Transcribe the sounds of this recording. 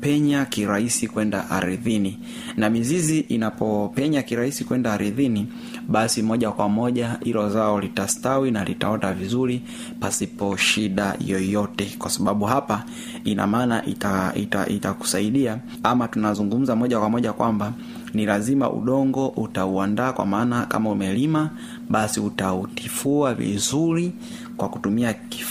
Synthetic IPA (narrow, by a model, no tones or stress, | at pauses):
pɛɲakiɾahisikwɛnda̰ha̰ɾiðini | namiziziʔinapɔpɛɲakiɾahisikuwɛndaaɾiðini | ɓasimɔʄakwamɔʄahilɔzaɔlitastawinalḭta̰ɔndavizuɾi | pasipɔʃiɗa̰jɔjɔtɛkwasaɓaɓuɦapa | ina̰maːnaʔitaḭta̰ʔitaku̥saiɗia | amatunazuŋɡum̩zamɔʄakwamɔʄakwamba | nilazima̰ʔṵɗɔŋɡɔʔutauandaːkwa̰maːnaka̰maumɛlima | ɓasiutautifuavḭzuɾi | kwaku̥tumiaki